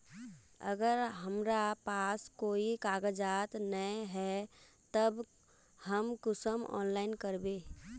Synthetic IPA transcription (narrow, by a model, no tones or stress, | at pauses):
ə̰ɡəɾɦəmɾapaskoikaɡəd͡ʒat̪nəɦɛ | t̪əb | həmkʊsəmɔ̰ːnlaɪnkəɾbe